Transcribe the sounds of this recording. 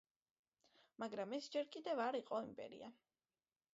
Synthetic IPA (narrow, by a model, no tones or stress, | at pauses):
maɡɾamɛsd͡ʒɛɾkʼid̪ɛvaɾiqʼɔimpʼɛ̰ɾḭa